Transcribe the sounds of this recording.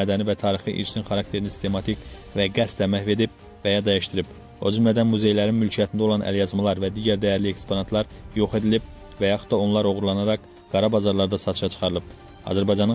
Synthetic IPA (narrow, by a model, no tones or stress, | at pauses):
æːd̪ænivæt̪ʰɑːɾixɯʔḭlt͡ʃʰninχɑɾɑk̚t̪ʰe̞ɾinisi̥st̪emɑt̪ʰik | væɡæst̪æmæçve̞d̪ib̚ | væjɑd̪æjiʃt̪iɾib̥ | o̞d͡ʒymlæd̪ænmuze̞jlæɾinmylcʰijæt̪ʰind̪æo̞lˠɑnʔæ̰ljɑzmɑlˠɑɾvæd̪iːɟæɾd̪æjæɾliekspʰonɑt̪lˠɑɾjo̞χe̞d̪ilib̚ | væjɑxu̥t̪d̪ɑo̞nlˠɑɾo̞ɣuɾlˠɑnɑɾɑk | ɡ̥ɑɾɑbɑzɑɾlˠɑɾd̪ɑsɑt̪ʰɯ̥ʃɑt͡ʃʰɯ̥χɑɾɯlˠɯb̚ | ɑ̰zæɾbɑjd͡ʒɑn